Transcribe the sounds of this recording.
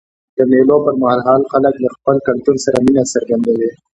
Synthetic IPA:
d̪̥əmelopəɾmaɦaɾɦɑːlxalək̚ləxpəlkalt̪uɾsaɾaminasaɾɡand̪ewe

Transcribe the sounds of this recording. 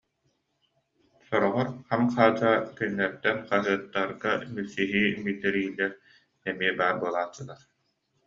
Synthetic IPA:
sɔɾɔʁɔɾχamqaːd͡ʑaːkynːɛɾd̪ɛnqaɦɯɐt̪ːaɾɡamysiɦiːmit̪ɛɾiːlːɛɾ | ɛmiɛbaːɾbuɔlˠaːt͡ɕːɯlˠaɾ

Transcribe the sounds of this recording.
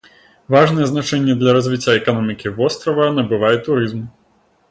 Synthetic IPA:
vaʐnɛjɛznat͡ʂɛnʲːɛd̪lʲɐɾɐzʲvʲit͡sʲːaɛkanɔmʲikʲivɔst̪ɾɐvɐnɐbɨvajɛt̪uɾɨzm

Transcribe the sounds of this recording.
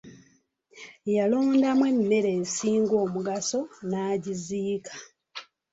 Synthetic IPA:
jalo̞ːndamwe̞mːe̞ɾe̞ːsiːŋɡo̞ːmuɡaso̞naːɟiziːkʰḁ

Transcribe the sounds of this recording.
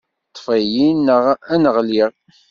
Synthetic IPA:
t̪ˤːfæjinːəʁænəʁliʁ

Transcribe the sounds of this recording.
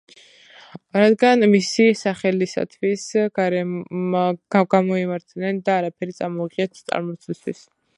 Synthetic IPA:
ɾad̪ɡanmisisaχɛlisa̰t̪ʰwisɡaɾ | ɡamɔimaɾt̪ʰnɛnd̪aːɾapʰɛɾit̪sʼamɔiʁʼiɛt̪ʰt̪sʼa̰ɾmɔt̪sʰist̪ʰwis

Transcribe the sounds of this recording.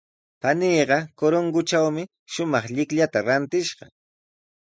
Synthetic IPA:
paniːɢɑkoɾoŋɡʊt͡ʃawmɪ | ʃʊmɑχʎɪkʎat̪aɾant̪ɪʃɢɑ

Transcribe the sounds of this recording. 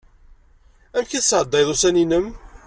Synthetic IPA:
æmkæθəsʕəd̪ˤːɑjðˤusæninəm

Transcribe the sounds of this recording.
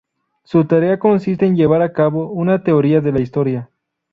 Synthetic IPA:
sut̪aɾe̞ako̞nsis̬t̪eːnʝe̞βaɾakaβo̞unat̪e̞oɾiaðe̞laist̪o̞ɾja

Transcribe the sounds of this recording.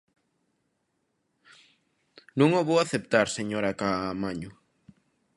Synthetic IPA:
nũŋoβowaθep̚t̪aɾseɲoɾakamaɲu

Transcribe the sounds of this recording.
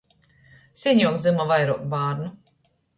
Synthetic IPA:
sʲɛnʲjuɔkd̪zɨmavajɾuɔk̪̚baːɾnu

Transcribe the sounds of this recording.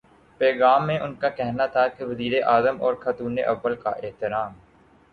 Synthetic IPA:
pɛːɣaːmːẽʔʊnkakɛɦnat̪ʰakeʋɐziːɾeʔaːzəmɔːɾxaːt̪uːnḛʔɐʋːəlka̰ʔɪɦt̪ɪɾaːm

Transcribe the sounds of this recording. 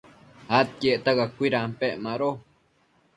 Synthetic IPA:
hat̪̚keʔt̪aɣakʷiɾampeʔmaɾo

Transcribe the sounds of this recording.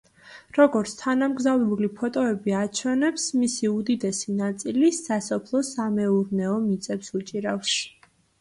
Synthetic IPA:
ɾɔɡɔɾt̪sʰt̪ʰanamɡzavɾɛbulipʰɔt̪ʼɔɛbiat͡ʃʰɛnɛpsmisiud̪id̪ɛsinat̪sʼilisasɔpʰlˠɔsamɛuɾnɛɔmit̪sʼɛpsut͡ʃʼiɾafs

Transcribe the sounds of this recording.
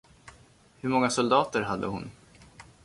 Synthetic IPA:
hɵɾmɔŋːasɔld̪ɑːt̪əɾɦad̪ːə̰hʊn

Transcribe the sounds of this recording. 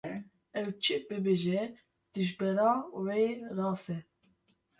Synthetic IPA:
ɛwt͡ʃʰibɨbeːʒɛ | d̪̥ɨʒbɛɾɑ̃ːwerɑːsɛ

